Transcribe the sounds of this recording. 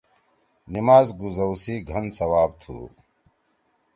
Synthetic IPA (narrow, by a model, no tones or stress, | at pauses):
nimaːzɡuzɐwsiːɡʱɐnsɐwaːb̚t̪ʰṵː